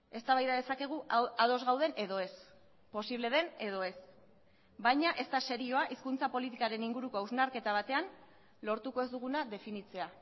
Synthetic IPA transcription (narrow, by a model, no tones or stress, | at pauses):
e̞st̪aβajðaðe̞sake̞ɣ̞uʔað̞o̞zɣawð̞e̞ne̞ðo̞e̞s | po̞siβle̞ð̞e̞ne̞ð̞o̞e̞s | bajɲaʔe̞st̪ase̞ɾio̞aʔiskunt͡sapo̞lit̪ikaɾe̞niŋɡuɾuko̞awznaɾke̞t̪aβ̞at̪e̞an | lo̞ɾt̪ukoe̞zd̪uɣ̞unaðe̞finit͡se̞a